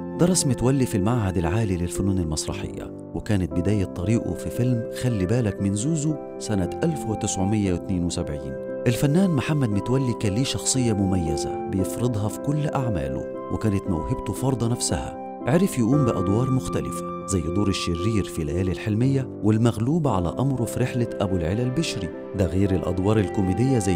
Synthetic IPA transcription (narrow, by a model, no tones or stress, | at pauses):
d̪̥ɑɾˤɑsmɪt̪wælːifilmaʕɦæd̪ɪlʕaːlilɪlfʊnuːnɪlmɑsˤɾˤɑ̰ħɪ̰jːæ̰ | wɪkæːnɪt̪̚bɪd̪æːjæt̪ˤːɑɾiːʔṵfifɪlmxælːibæːlækmɪnzuːzu | sænæt̪ʔælfwɪt̪ɪsʕomɪjːæwɪt̪neːnwɪsæbʕiːn | ʔɪlfænːæːnmaħamːæd̪mɪt̪wælːikæːliːʃɑxsˤɨjːɑmʊmæjːæzæ̰bɪjefɾɨd̪ˤɦɑfi̥kʊlːʔaʕmæ̰ːlʊ̰ | wʔɪkæːnɪt̪mæwhɪbt̪ʊfɑɾˤd̪ˤɑnæfsæhæ̰ | ʕeɾɪfjaʔuːmbɪʔɑd̪ˤwɑːɾˤmʊxt̪ælɪ̰fæ̥ | zæjːd̪ˤuːɾɪʃːɪrːiːɾfilæjæːlɪlħelmɪjːæ | wɪlmæɣluːbʕa̰læ̰ʔɑmɾˤofiɾɪħlaʔæbulʕelælbɪʃɾi | d̪æɣiːɾɪlʔɑ̰d̪ˤwɑːɾˤɪlkʊmiːd̪ɪjːæzæ